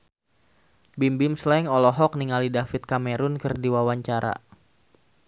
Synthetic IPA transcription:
bimbɪmslɛŋɔlɔɦɔk̚niŋalidafɪt̪̚kameɾʊnkɨrdiwawaɲt͡ʃaɾa̰

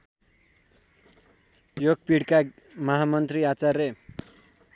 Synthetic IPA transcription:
joɡ̚piɽka | mʌɦamʌnt̪riat͡sarːe

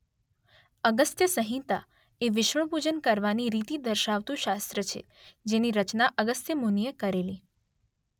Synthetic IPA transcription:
əɡəst̪jəsəɦĩt̪a | eʋɪʃəɳ̃pud͡ʒənkəɾʋaniɾit̪id̪əɾʃaʋt̪ũʃast̪ɾət͡ʃʰḛ | d͡ʒeniɾət͡ʃnaʔəɡəst̪jəmunijekəɾeli

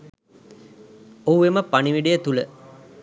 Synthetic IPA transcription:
ouʋeməpaniʋiɖejət̪ulə

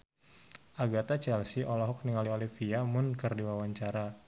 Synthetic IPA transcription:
ʔaɡat̪at͡ʃɛlsiʔɔlɔɦɔk̚niŋaliolifiamʊnkərdiwawaɲt͡ʃaɾa

